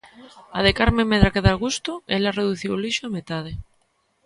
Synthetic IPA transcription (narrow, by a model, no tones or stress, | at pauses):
aðekaɾmemeðɾakeðalɣust̪oelareðuθiwliʃoamet̪að̞e